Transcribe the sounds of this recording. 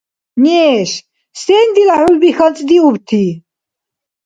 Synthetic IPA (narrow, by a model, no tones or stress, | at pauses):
nɛʃ | sɛːnd̪ilaħulbixant͡sʼd̪iubt̪ʰi